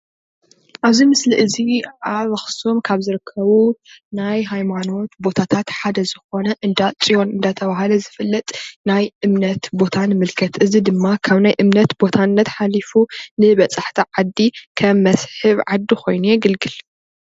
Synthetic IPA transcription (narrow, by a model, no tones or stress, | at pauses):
ʔaβzimɨsliʔɨziʕaβɐxsomkʰaβzɨɾɨkʰːɐβunajɦajmano̞t̪bo̞t̪ʰat̪ʰat̪ħad̪ɐzɨxo̞nɐʔɨnd̪at͡sʼijo̞nɨnd̪at̪ʰɐβahɐlɐzɨfɨlːɐt̪ʼnajʔɨmnɐt̪bo̞t̪ʰanɨmɨlkʰɐt̪ʰʔɨzid̪ɨmːakʰaβnajʔɨmnɐt̪bo̞t̪ʰanːɐt̪ħalifunɨβɐt͡sʼaħt̪ʰiʕad̪ːikʰɐmːɐsħɨβʕad̪ːixʰo̞jnujɛɡɨlɡɨl